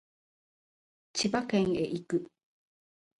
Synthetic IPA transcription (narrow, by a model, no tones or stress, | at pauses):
t͡ɕibakeŋeʔikɯ